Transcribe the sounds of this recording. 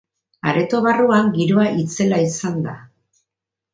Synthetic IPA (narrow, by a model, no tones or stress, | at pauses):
a̰ɾe̞t̪o̞βaruaŋɡiɾo̞aʔit͡se̞laisand̪a